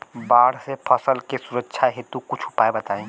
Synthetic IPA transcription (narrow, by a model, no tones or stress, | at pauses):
baːɽ̤sepʰɐsəlkesuɾətːʃʰaɦet̪ukʊt͡ʃʰʊ̥paːebɐt̪aːẽː